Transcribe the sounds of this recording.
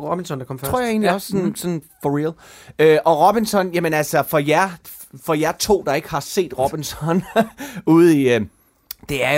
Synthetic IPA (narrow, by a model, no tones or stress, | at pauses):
ʁɔb̥insɒndɑ̈kʰɒ̽mft͡sʰʁo̝̰je̝̰ːnliɒssɔ̽nsɒ̽nfɒʁiløʔɒ̽ʁɔb̥insɒ̽njæmənælsɒfɒ̽jæɐ | fɒ̽jæɐt͡sʰo̝̰ːd̥ɑ̈e̝ɡ̥əhɑ̈se̝̰ːd̥ʁɔb̥insɒ̽n | uð̩ˠi | d̥e̝æɐj